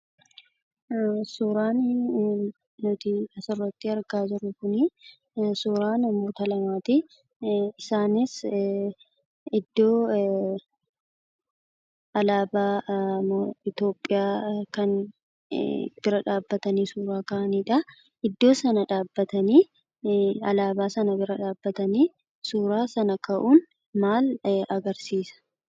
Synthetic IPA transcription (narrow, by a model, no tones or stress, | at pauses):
suːɾaːn | nʊt̪ɪɐsɪrːɐt̪ːɪɐɾɡaːd͡ʒɪɾʊkʊnɪ | suːɾaːnɐmoːt̪ɐlɐmaːt̪ɪ | ɪsaːnɪs | ɪd̪ːo̞ː | ɐlaːbaːmoɪt̪o̞ːpʼːɪjaːkɐn | b̥ɪɾɐᶑaːbːɐt̪ɐniːsuːɾaːkɐʔɐniːᶑɐ | ɪd̪ːo̞ːsɐnɐᶑaːbːɐt̪ɐniː | ɐlaːbaːsɐnɐbɪɾɐᶑaːbːɐt̪ɐniː | suːɾaːsɐnɐkɐʔuːn | maːlɐɡɐɾsiːsɐ̥